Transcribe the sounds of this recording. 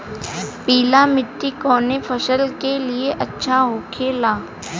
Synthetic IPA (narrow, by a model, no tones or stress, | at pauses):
piːlamɪʈ̪ːikɔːnepʰɐʃəlkelieʔɐtːʃʰaɦoːkʰeːlaː